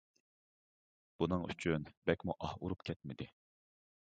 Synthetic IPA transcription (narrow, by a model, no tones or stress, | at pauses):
b̥unɨŋy̰t͡ʃʰynbɛkʲmuʔɑhuɾupkʲʰɛt̪̚mɪd̪ɪ